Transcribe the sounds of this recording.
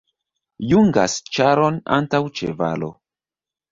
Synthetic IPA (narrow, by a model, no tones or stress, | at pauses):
juŋɡa̰st͡ʃaɾo̞na̰ntawt͡ʃḛva̰lo̞̰